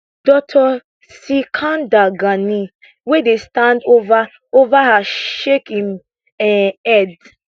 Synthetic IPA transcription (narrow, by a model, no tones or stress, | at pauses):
d̥ɔtʰɔ | sikʰãndaɡani | wɛdestãndova | ovahaʃekĩm | ɛ̃ɛd